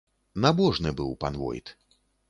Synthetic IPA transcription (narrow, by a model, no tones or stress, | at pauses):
nabɔʐnɨbɨwpanvɔ̰jt̪